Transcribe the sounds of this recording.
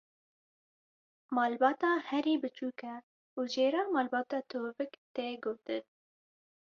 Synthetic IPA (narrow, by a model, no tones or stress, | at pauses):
mɑːlbɑːt̪ɑːhɛɾiːbɨt͡ʃuːkɛ | uːd͡ʒeːɾɑːmɑːlbɑːt̪ɑːt̪ʰoːvɨkt̪eːɡoːt̪ɨn